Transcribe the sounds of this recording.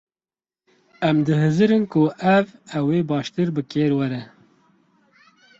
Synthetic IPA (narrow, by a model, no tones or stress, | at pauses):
ɛmd̪ɨɦɨzɨɾɨnkʊʔɛvɛweːbɑːʃt̪ɨɾbɨkeːɾwɛɾɛ